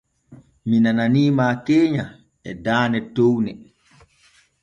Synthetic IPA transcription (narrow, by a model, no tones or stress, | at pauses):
minananiːmaːkeːɲa | ɛdaːnɛtownɛ